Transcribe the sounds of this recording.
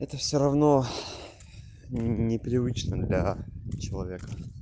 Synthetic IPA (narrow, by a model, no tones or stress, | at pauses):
ɛt̪əfsʲoɾɐvno | nʲɪpɾʲɪvɨt͡ɕnəd̪lʲɐt͡ɕɪlˠɐvʲekə